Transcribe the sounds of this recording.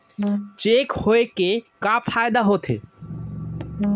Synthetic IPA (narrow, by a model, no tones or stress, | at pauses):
t͡ʃekhoekekaːpʰaːjd̪aɦot̪ʰḛ